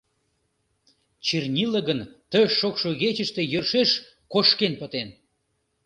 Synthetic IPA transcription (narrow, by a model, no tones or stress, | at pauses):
t͡ɕirnʲiləɣənt̪əːokʃoɣet͡ɕəʃt̪ejørʃeʃ | koʃkenpət̪en